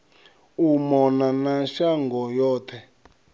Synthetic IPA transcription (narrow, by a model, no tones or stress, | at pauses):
umɔnanaʃaŋɡɔjɔːtʰɛ